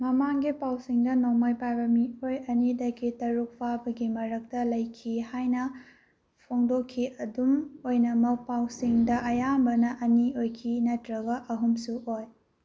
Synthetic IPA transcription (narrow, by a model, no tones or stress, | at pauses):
mɐmaŋɡipawsiŋdɐnomajpajbɐmiojɐnidɐkitɐɾuk̚pʰabɐɡimɐɾɐk̚tɐlɐjkʰihajnɐ | pʰoŋdokʰːiɐdumojnɐmɐk̚pawsiŋdɐʔɐjambɐnɐʔɐniojkʰinɐtɾɐɡɐʔɐɦumsuʔoj